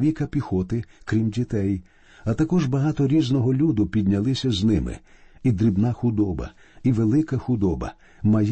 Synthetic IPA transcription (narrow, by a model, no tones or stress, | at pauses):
ʋʲikɐpʲixɔt̪ɪkɾʲimdʲit̪ɛj | ɐt̪ɐkɔʒbɐɦɑt̪ɔɾʲiznɔɦɔlʲud̪ʊpʲid̪ʲnʲɐlˠɪsʲɐznɪmɪ̰id̪ɾibnɑxʊd̪ɔbɐ̰ | iʋelˠɪkɐxʊd̪ɔbɐ̰ | mɐj